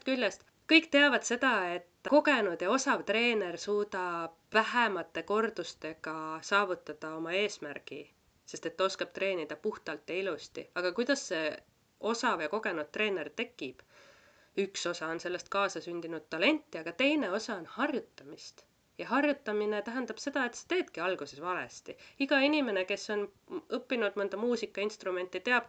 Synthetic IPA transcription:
t̪kylʲːest̪ | kɤjkːt̪e̞ɑvɑd̪se̞d̪ɑe̞t̪ːˑko̞ɡe̞nud̪̥jɑo̞sɑvt̪re̞ːne̞rsuːd̪ɑb̥væɦemɑt̪ːe̞ko̞rd̪̥ust̪e̞ɡ̥ɑsɑːvut̪ːˑɑd̪̥ɑo̞mɑe̞ːsmærɡ̥i | se̞st̪e̞t̪ːo̞skɑb̥̚t̪ɾe̞ːnid̪̥ɑpuht̪ɑlt̪ːjɑilust̪ḭɑɡ̥ɑkujd̪̥ɑsːe̞ | o̞sɑvjɑko̞ɡe̞nud̪̚t̪ːre̞ːne̞rt̪e̞kːˑib̥ | ykso̞sɑo̞nse̞lːe̞st̪̚kɑːsɑsynʲd̪̥inud̪̥̚t̪ːɑle̞nʲt̪ˑːiɑɡ̥ɑt̪e̞jne̞o̞sɑonhɑrjut̪ːˑɑmist̪ | jɑɦɑrjut̪ːˑɑmine̞t̪æɦænd̪̥ɑb̥se̞d̪̥ɑe̞t̪se̥t̪e̞ːd̪̥kiɑlɡ̥use̞svɑle̞̰st̪iiɡ̥ɑinʲime̞ne̞ke̞sːo̞n | ɤpːinud̪mɤnd̪ɑmuːsikːˑɑinst̪rume̞nʲt̪ːˑit̪e̞ɑb̥

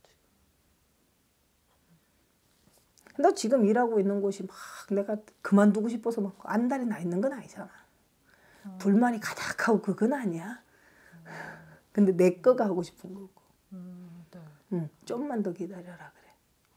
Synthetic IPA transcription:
kɯndat͡ɕiɡɯmiɾaɡoinːɯnɡoɕʰimakne̞ɡakɯmanduɡoɕ̬ʰipʰosʰʌmaoʔandaɾinainːɯnɡʌnaɲid͡ʑanaj | puɭmaɾikḁtakʰaɡokɯɡʌnaɲia | kɯnde̞ne̞k͈ʌɡahaɡoɕʰi̥pʰɯnɡʌɡ̥o̥ | ɯmt͡ɕ͈omːandʌkidaɾʌɾakɯɾe̞

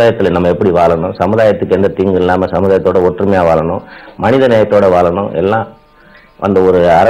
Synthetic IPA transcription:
aːjɐt̪ːɪlɐnɐmːɐɛpːɐɽiʋaːɭɐnʊ̃sɐmɯðaːjɐt̪ːɯkːɛnd̪ɐt̪iːŋɡɪlːaːmɐsɐmɯðaːjɐt̪ːoːɽɐɔʈːrɯmɐjaːʋaːɭɐnʊ̃mɐnɪðɐnɛːɾɐt̪ːoːɽɐʋaːɭɐnʊ̰̃ʔɛ̰lːãː | ʔɐ̰nd̪ɐɔɾɯɐɾɐ

